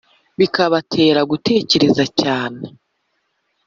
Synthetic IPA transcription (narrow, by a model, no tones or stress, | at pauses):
βikaβatʰe̞ːɾaɡutʰe̞ːce̞ɾe̞zacaːne